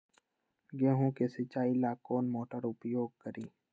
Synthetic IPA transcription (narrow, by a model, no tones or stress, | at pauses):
ɡeːɦõkesɪt͡ʃaːilaːkoːnmoːʈəɾʊpjoːɡ̚kəɾiː